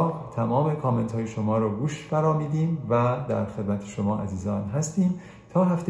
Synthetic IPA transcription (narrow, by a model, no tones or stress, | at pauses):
t̪ʰæmɒːme̞kʰɒːme̞nt̪hɒːjeʃomɒːɾɒːɡuːʃfæɾɒːmiːd̪iːmvæd̪æɾxe̞d̪mæt̪ʰeʃomɒːʔæ̰ziːzɒːnɦæst̪iːm | t̪ʰɒːɦæft̪e